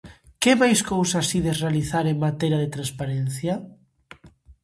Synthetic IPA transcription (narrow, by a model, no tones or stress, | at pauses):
kemajskowsasiðerealiθaɾeŋmat̪eɾjaðet̪ɾãnspaɾen̟θja